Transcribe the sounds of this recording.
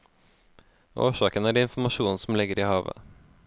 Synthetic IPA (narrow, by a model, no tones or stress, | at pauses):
ʔo̰ːʃɑːkənæːɖɛɪnfmɑʃuːnn̩sɔm̩lɪɡəɾiːhɑːʋə̰